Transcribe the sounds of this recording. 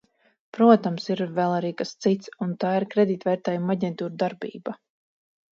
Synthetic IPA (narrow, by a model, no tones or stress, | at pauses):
pɾuɔt̪amsiɾvɛlˠaɾiːkast̪sit̪sunt̪aːiɾkɾɛd̪iːt̪vɛjɾt̪ɛːjumaɟɛnt̪uːɾd̪aɾbḭːba